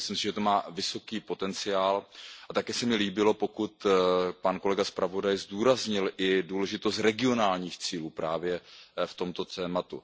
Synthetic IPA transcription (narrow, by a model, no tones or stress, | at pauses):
slɪmsɪʒɛt̪omaːvɪso̞kiːpo̞t̪ɛnt͡sɪjaːlʔat̪akɛːsɛmɪliːbɪlo̞po̞kut̪panko̞lɛɡaspɾavo̞dajzduːɾazɲɪlʔɪduːlɛʒɪt̪o̞st̪ɾɛɡɪo̞naːlɲiːxt͡siːluːpɾaːvjɛft̪o̞mt̪o̞t̪ɛːmat̪ṵ